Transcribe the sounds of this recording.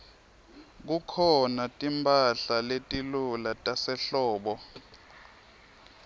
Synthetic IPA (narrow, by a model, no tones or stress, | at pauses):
k̬ukʰɔnatʼimbʱʼaɬaletʼilulatʼasɛɬɔːɓɔ